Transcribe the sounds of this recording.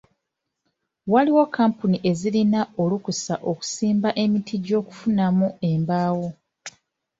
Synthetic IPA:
waliwokʰːampuniʔe̞zilinao̞lukusaʔo̞ku̥siːmbaʔe̞mitʰiɟo̞ːku̥funamue̞mbaːwo̞

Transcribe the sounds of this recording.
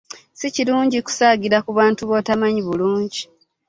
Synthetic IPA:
siciluːɲɟiku̥saːɡiɾakuβaːntuβo̞ːtamaɲiβuluːɲɟi

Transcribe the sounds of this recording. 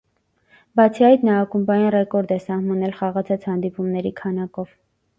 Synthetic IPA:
bɑt͡sʰiɑjt̪nɑːkumbɑjinrɛkɔɾd̪ɛsɑhmɑnɛlχɑʁɑt͡sʰɑt͡shɑnd̪ipumnɛɾikʰɑnɑkɔv̥

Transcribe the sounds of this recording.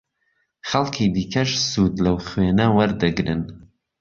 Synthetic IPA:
χɐlˠkʰiːd̪iːkʰɐʃsud̪lɐwχweːnɐwɐɾd̪ɨɡɾɨn

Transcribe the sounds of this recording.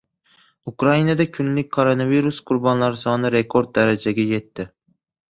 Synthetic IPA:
ʊkɾainad̪akʲʰʊnlɪk̚ʲkʰoɾo̞naviɾusqʰʊɾbɒnlaɾɪsɒnɪɾe̞kʰo̞ɾd̪̚ːaɾad͡ʒaɡʲaje̞t̪ʰːɪ

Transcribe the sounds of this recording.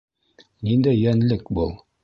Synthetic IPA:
nind̪æjːænlɘkbulˠ

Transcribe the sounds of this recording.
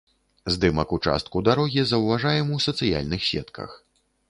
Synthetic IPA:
zd̪ɨmɐkut͡ʂa̰st̪̚kud̪aɾɔɣʲizɐwvaʐajɛmuwsɐt̪sɨja̰lʲnɨxsʲɛ̰t̪kɐ̰x

